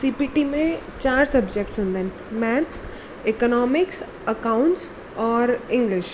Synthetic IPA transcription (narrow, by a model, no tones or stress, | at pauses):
siːpiʈimẽt͡ʃaːɾsɐbd͡ʒek̚ʈsɦʊ̃nd̪ẽːn | mɛːʈs | ɪkɔnɔːmɪks | əkaʊ̃ɳʈs | ɔːɾɪ̃ŋɡlɪʃ